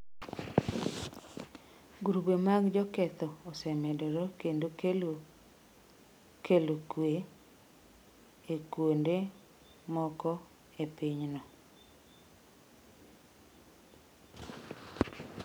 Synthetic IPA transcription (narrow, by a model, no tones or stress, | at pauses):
ɡuɾubemaɡd͡ʒɔkɛt̪ɔːsɛmɛdɔɾɔkendo | kʰelokwe | ekwonde | mɔkɔ | epiɲnɔ